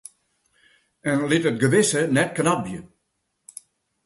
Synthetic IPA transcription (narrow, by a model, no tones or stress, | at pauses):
ɛnlɪtət̚ɡəʋɪsənɛt̚kənɔp̚bjə